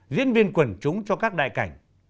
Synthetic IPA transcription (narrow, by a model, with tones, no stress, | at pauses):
zḭ˧˥ənvi˧ənkwə˨˧˩nt͡ɕʊ˨˦ŋ͡mt͡ɕɔ˧kaː˦˥k̚ɗa̰ː˧˨jka˧˩jŋ̟